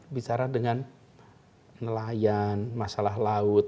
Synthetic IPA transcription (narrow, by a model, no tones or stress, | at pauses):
bit͡ʃaɾahdəŋan | nəlajanmasalaɦlaʊt̪̚